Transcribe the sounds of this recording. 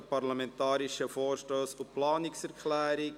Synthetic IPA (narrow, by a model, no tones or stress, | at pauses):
parlamɛntɑːɾiʃəfoːrʃtoːsʊplɑːnɪksɛɾkʰlæːɾi